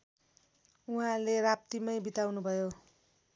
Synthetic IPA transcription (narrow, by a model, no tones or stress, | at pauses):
uɦãlerap̚t̪imʌjbit̪awnubʱʌjo